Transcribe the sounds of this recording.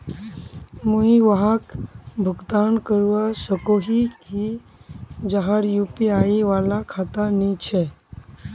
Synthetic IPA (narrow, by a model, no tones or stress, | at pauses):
mũiʋaɦakbʱʊɡd̪aːnkəɾuʋasəkoɦihi | d͡ʒaɦaɾjuːpiaːiʋaːlakʰat̪anit͡ʃʰe